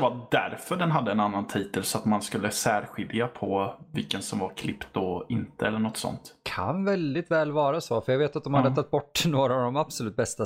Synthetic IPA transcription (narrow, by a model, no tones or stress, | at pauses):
vad̪æ̰ɾfœɖɛnɦad̪ːəɛnanːant̪ʰiːt̪əlsɔat̪manskɵlːəsæːɾɧɪljapʰɔvɪ̰lkənsɔmvaɾkʰlɪpt̪̚d̪ɔɪnt̪əɛlːəɳɔt̪ːsɔ̰nt̪kʰa̰nvɛld̪ɪt̪vɛːlvɑːɾasoːfœɾjaɡveːt̪at̪̚d̪ɔmhad̪ːət̪ʰakt̪̚bɔʈːnoːɾavd̪ɔmabsɔlʉ̟ːt̪̚bɛst̪a